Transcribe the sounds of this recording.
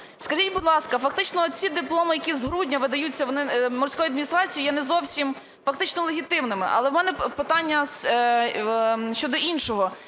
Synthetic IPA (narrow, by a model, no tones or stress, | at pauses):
skɐʒitʲbʊd̪lˠɑskɐfɐkt̪ɪt͡ʃnɔt͡sʲid̪ɪplˠɔmɪjɐkʲizɦɾudʲnʲɐʋɪd̪ɐjut͡sʲːɐʋɔnɪmɔrsʲkɔjɐd̪mʲinʲist̪ɾɑt͡sʲijijɛnɛzɔwsʲim | fɐkt̪ɪt͡ʃnɔlˠeɦʲit̪ɪmnɪmɪ̰ʔɐ̰lˠɛwmɛnɛpɪt̪ɑnʲːɐs | ʃt͡ʃɔd̪ɔʔinʃɔɦɔ